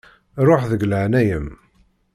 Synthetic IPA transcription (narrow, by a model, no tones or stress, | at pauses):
ɾˤoħðəɡləʕnæjəm